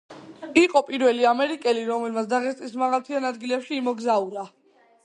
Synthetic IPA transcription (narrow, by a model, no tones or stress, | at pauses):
iqʼɔpʼiɾvɛliamɛɾikʼɛliɾɔmɛlmat̪̬ʰd̪aʁɛst̪ʼismaʁalt̪ʰianad̪ɡilɛpʃiːmɔɡzauɾa